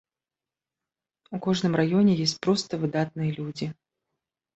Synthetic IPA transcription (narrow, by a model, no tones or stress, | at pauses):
ukɔʐnɨmrajɔnʲɛjesʲt͡sʲpɾɔst̪ɐvɨd̪at̪nɨjɐlʲud͡zʲi